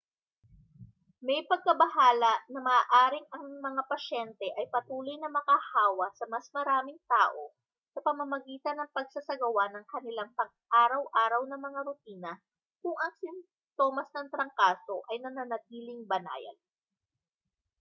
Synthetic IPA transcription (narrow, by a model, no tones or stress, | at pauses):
mɛjpɐɡ̚kɐbɐɦaːlɐʔnɐmɐːʔaːɾɪŋɐŋmɐŋapɐʃɛnt̪ɛʔɐjpɐt̪uːlo̞jnɐmɐkahaːwɐsɐmɐsmɐɾaːmɪŋt̪aːʔo̞ | sɐpɐmɐmɐɡiːt̪ɐnːɐŋpɐɡ̚sɐsɐɡɐwanɐŋkɐnɪlaŋpɐɡ | ʔaːɾɐwʔaːɾɐwnɐmɐŋaɾʊt̪iːnɐ | kʊŋʔɐŋsɪm | t̪oːmɐsnɐŋt̪ɾɐŋkaːso̞ʔɐjnɐnɐnɐt̪̚iːlɪŋbɐna̰ːjɐ̰n